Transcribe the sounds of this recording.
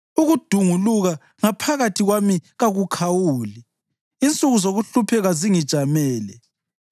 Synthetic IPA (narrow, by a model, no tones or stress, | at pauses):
uɣud̥ʱuŋuluɣa | ŋapʰaɣatʰiɣwamiɣaɣukʰawuːliː | nt͡sʼuɣuzoɣuɬupʰɛɣaziŋid̥ʒ̥ʱamɛːlɛ